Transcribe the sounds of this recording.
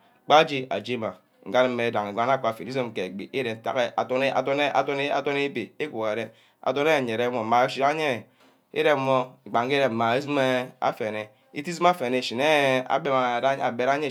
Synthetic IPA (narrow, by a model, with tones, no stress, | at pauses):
k͡pa˦d͡ʒi˦a̰˨d͡ʒi˦ma˨ | ŋ̩˨ɡa˦n˦m̩˦e˨˦da˨ŋe˨ɡa˨˦n˦a˦kʷa˨fi˨i˦zo˦m˨ke˨ɡ͡bi˨ʔi˦ɾe˨n̩˦ta̰˨ɣe˦a̰˨to˦n˦a̰˨to˦ne˦a̰˨to˦ne˦a˨to˦ne˦bi˨e˦ku˨ɣe˨ɾe˦ | a̰˨to˦ne˦˨ɲe˨ɾe˦mo˨m̩˨ma˨˦ʃi˦ɾa˦ɲe˦˨ | ḛ˦ɾe˦˨m̩˦mo˦i˨ɡ͡ba˨ŋ˦e˦ɾe˨m̩˨ma˨e˦zi˦me˦a̰˦fe˨ne˨ | ḭ˦ti˦zi˦a˦fe˨ne˨ʃi˨ne˦a̰˨be˦ma˨a˦a˨be˨ɾa˦ɲe˦˨